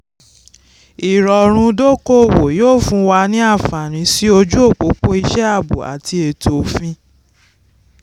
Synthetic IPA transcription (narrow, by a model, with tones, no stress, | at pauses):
i˨ɾɔ˨ɾ̃ũ˧do˦ko˦˨wo˨joː˦˨fũ˧wa˧nĩ˦a˦˨fa˨ɾ̃ĩ˨˧˦si˦o˧d͡ʒu˦o˦˨k͡po˨˦k͡po˦i˧ʃɛ˦a˦˨bṵ˨a̰˨ti˧e˨tʰo˨˦fĩ˧